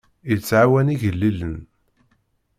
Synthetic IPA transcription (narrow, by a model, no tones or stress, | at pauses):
jət͡sːʕawæniʝəlːilən